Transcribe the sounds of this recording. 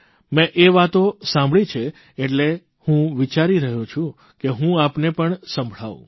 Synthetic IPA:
mɛ̃ʔeʋat̪osãmbʱɭit͡ʃʰeː | ʈle | hũʋit͡ʃaɾiɾəɦũt͡ʃʰũ | keɦũapnepəɳsə̃mbʱɭaʋṵ̃

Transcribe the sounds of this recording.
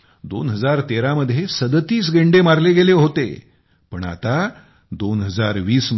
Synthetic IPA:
d̪o̰nɦəd͡zaɾt̪eɾaməd̪ʱːjesəd̪t̪iːs̬ɡeɳɖemaɾleɡeleɦot̪ḛ | pəɳa̰t̪a | d̪onɦəd͡zaɾʋiːsm

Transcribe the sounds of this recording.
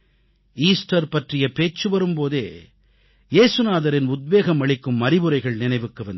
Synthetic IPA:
iːsʈɐɾpɐʈrɪjɐpeːt͡ʃːɯʋɐɾɯmpoːðeː | jeːsɯnaːðɐɾɪnʊd̪̚ʋeːɣɐmɐɭɪkːɯmːɐɾɪbɯɾɐɪɣɐɭnɪnɐɪʋɯkːɯʋɐnd̪

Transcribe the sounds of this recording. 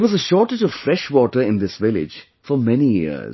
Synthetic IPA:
ɪʋɔzəʃɔːʈɪd͡ʒɔv̥fɾɛʃʋɔːʈəɾɪ̃nd̪ɪsʋɪlɪ̰d͡ʒ | fɔmɛnijɪ̰z

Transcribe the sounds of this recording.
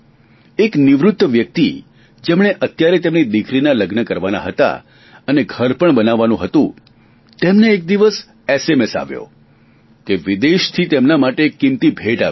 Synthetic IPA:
ekniʋɾʊt̪ːəʋjək̚t̪i | d͡ʒemɳ̃eʔət̪jaɾet̪emnid̪ikʰɾinaləɡnəkəɾʋana̰ɦət̪a̰ | əneɡʱəɾpəɳbənaʋːanũɦət̪ũ | t̪emneːk̚d̪iʋəs | esemesa̰ʋjo̰ | k̪eʋid̪eʃt̪ʰit̪emnamaʈekːimt̪ibʱeʈa̰

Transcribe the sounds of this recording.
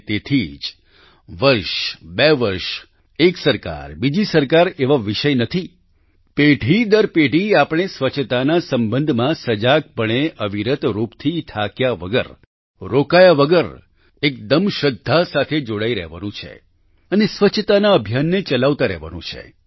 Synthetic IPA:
t̪et̪ʰid͡ʒ | ʋəɾʃbeʋəɾʃ | eksəɾka̰ɾbid͡ʒisəɾkaɾeʋaʋiʃəjnət̪ʰi | peʈid̪əɾpeɖiapɽ̃esʋət͡ʃʰt̪anasəmbə̃nd̪ʱmãsəd͡ʒak̚pəɳ̃eʔəʋiɾət̪ɾupt̪ʰiʈʰakjaʋəɡə̰ɾ | ɾokajaʋəɡəɾ | ek̚d̪əmʃəd̪ʱːasat̪ʰed͡ʒoɽaiɾɛ̰ɦʋa̰nũt͡ʃʰḛ | ənesʋət͡ʃʰt̪anaəbʱjanːet͡ʃəlaʋt̪aɾɛ̰ɦʋa̰nṵ̃t͡ʃʰḛ

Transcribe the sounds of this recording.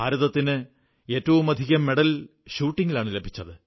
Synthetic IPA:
aːɾuðɐt̪ːinɨ | e̞ːtːɐʋumɐd̪ʱiɣɐmːe̞ɽɐlɕuːʈːiŋɡilaːɳɨlebʱit͡ɕːɐðɨ

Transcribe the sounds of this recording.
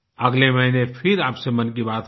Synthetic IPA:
ɐɡlemɐɦinefʰɪɾaːpsemɐnkibaːt̪

